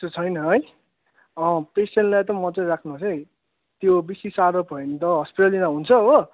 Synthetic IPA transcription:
ut͡sʰʌjnʌɦʌj | ʌ̃pesenlaet̪ʌmːʌt͡sʌj̃ɾakʰnut͡sʰʌj | t̪jobisisaɾʌpʌjnt̪ʌɦʌspiʈalinaɦunt͡sʰʌo

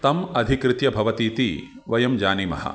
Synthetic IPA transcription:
t̪ɐmɐd̪ʱikɾɪt̪jɐbʱɐʋɐt̪iːt̪i | ʋɐjɐmd͡ʒaːnimɐ̰ɦɐ̰

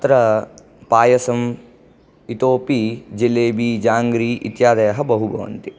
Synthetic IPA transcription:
t̪ɾɐ | paːjɐsɐm | it̪oːpid͡ʒileːbiːd͡ʒaːŋɡɾiːʔit̪jaːd̪ɐjɐɦɐbɐɦubɐʋɐ̰nt̪i

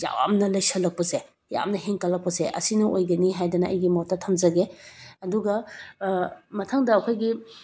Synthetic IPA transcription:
ja̰wa̰mnɐlɐjsɐlɐk̚pɐse | ja̰mnɐɦeŋkɐlːɐk̚pɐseʔɐ̰sinɐʔojɡɐniɦajdɐnɐɐ̰jɡimotːɐtʰɐmzɐɡeɐduɡɐ | mɐtʰaŋdɐːkʰojɡi

